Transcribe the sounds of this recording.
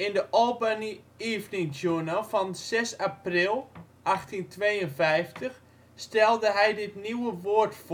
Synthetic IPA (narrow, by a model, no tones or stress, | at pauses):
ɪndəʔɔlˠbani | iːvnɪŋd͡ʒunafɔnsɛsaprɪlˠ | ʔaxtintʋeːjənfɛjftʰəx | stɛlˠdəɦɛjdɪtniwəʋoətf